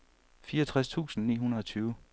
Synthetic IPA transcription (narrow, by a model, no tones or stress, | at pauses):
fiːɐʌt͡sʰʁast͡sʰṵːsn̩nḭːɦunɐð̩ˠɒ̽t͡sʰyːʊ